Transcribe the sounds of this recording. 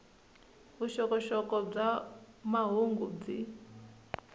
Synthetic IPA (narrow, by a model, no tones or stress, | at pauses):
βuʃɔkɔʃɔkɔb͡ʐa | maɦuŋɡub͡ʐi